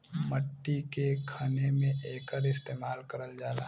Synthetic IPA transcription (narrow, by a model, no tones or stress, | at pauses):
məʈːikekʰaːnemẽʔeːkəɾɪst̪eːmaːlkəɾəld͡ʒaːla̰